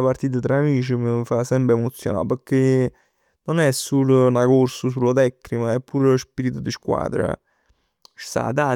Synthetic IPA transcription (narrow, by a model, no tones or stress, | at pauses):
apaɾt̪iːt̪̬at̪ɾaːmiːt͡ʃiməfasɛmpemot̪sːjona̰pəkːe | nonɛsːulnakorsos̬ulːot̪ɛkːnimaɛpːuɾlospiːɾit̪ud̪iskwa̰ːd̪ɾa̰ | ʃt̪a̰t̪a